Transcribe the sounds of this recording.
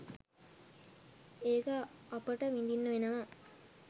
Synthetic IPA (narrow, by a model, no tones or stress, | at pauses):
eːkaapəʈəʋind̪inːuʋenəʋa